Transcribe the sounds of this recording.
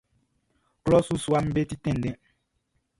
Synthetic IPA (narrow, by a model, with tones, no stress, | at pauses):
klɔ˦su˦su˦a˦m̩˦be˦ti˦tɛ̃˦n̩˨dɛ̃˦